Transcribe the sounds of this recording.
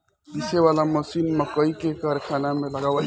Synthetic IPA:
d̪iseʋalaməsinməkəikekəɾkʰanameləɡabə

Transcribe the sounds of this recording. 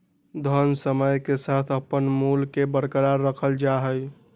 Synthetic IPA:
d̪ʱənsəməjkesat̪ʰəpənmulkebəɾkəɾaɾːəkʰəld͡ʒaɦəj

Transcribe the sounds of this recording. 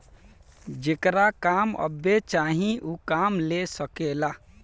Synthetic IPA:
d͡ʒekɾakaːmə̰bet͡ʃaːɦĩʔukaːmlesəkela

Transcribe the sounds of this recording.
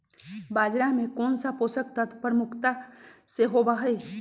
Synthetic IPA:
baːd͡ʒɾamẽkɔːnsapoːsək̚t̪ət̪ʰpɾmʊkʰt̪aseɦobaɦəe

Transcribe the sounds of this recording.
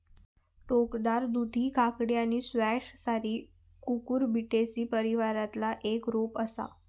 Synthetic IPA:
ʈokd̪aɾd̪ud̪ʱiːkʰakɽijañisʋæʂsaɾiː | kukuːɾbʱiʈesiːpəɾiʋaɾat̪laʔekɾopəsa̰

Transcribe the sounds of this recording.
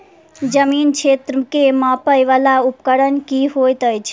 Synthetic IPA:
d͡ʒəmiːnkt͡ʃʰet̪ɾkemãpəjʋalaupkəɾənkiɦojt̪əjt͡ʃʰ

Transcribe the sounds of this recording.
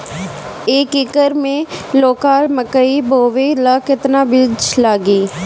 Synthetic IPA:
eːkɪkəɾmẽloːkaːlməkəiboːʋelaːkɪt̪naːbɪt͡ʃlaːɡiː

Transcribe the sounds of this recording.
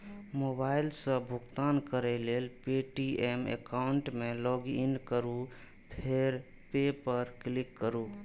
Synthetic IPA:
mobailsə̃bʱʊkt̪ankəɾɛlelpeʈiemḛkaʊɳʈmẽlɔɡinkəɾu | pʰeɾ | pepəɾklikːəɾu

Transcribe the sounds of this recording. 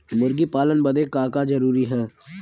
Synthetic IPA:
mʊɾɡipaːlənbɐd̪ekaːkad͡ʒɐɾuːɾiɦɛː

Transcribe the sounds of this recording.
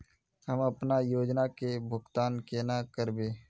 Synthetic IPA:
ɦəməpnajoːd͡ʒnakebʱʊɡt̪aːnkeːnakəɾbeː

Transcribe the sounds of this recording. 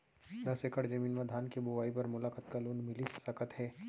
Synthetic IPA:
d̪ɐsekəɽd͡ʒɐmiːnmɐd̪ʱaːnkibuʋaːipɐɾmʊlaːkət̪kaluːnmɪlisːɐkət̪ɦɛː

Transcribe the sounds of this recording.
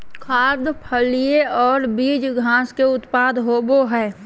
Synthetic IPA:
kʰaːɾd̪pʰəlijeɔːɾbiːd͡ʒɡʱãːskeʊt̪paːd̪ɦoːboɦɛː

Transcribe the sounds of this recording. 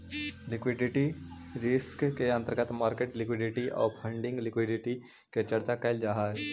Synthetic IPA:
lɪkwɪɖɪʈi | ɾɪskkeɐ̃nt̪əɾɡət̪maːɾkeːʈlɪkwɪɖɪʈiʔɔ̰ːɾpʰə̃ɳɖɪ̃ŋɡlɪkwɪɖɪʈi | ket͡ʃɐɾt͡ʃakɐɪld͡ʒaːɦa

